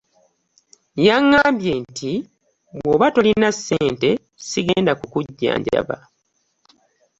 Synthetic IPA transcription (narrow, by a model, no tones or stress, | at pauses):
jaŋːaːmbjentʰi | βwoːβato̞linasːeːnte̞ | siɡe̞ːndakukuɟːa̰ːɲɟa̰βa̰